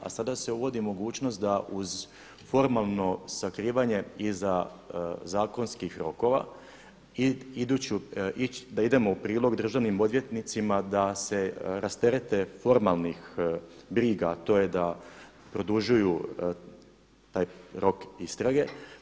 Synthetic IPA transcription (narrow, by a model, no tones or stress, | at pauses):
a̰sad̪ase̞uʋo̞d̪imo̞ɡuːt͡ʃno̞st̪̚d̪aʔuz | fo̞ɾmalˠno̞sakɾiːʋaɲe̞iza | zaːko̞nskixɾo̞ko̞ʋa̰ | iid̪ut͡ɕuid̪aid̪e̞mo̞upɾiːlˠo̞ɡd̪r̩ʒaʋnimo̞d̪ʋje̞t̪nit̪simad̪ase̞ɾast̪e̞ɾe̞t̪e̞fo̞ɾmalˠnixbɾiːɡat̪o̞je̞d̪a | pɾo̞d̪uʒuju | t̪aːjɾo̞kist̪ɾaɡe̞